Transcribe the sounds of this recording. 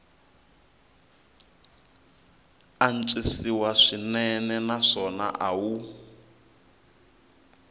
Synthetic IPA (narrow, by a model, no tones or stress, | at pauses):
an̩t͡ʃʼisiwaʂinɛnɛnaʂɔna̰ʔawu